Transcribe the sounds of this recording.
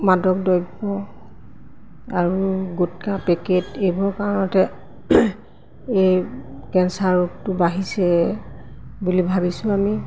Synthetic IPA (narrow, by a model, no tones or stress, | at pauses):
madɔk̚dɔjbɔ | aɹuɡutkapɛketejbɔɹkaɹɔnɔtɛ | ejkɛnsaɹuk̚tʊbaɦisɛ | bulibʱabisʊ̃ami